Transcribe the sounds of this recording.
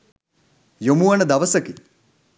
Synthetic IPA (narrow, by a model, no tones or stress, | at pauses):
jomuʋɐnəd̪ɐʋəsəki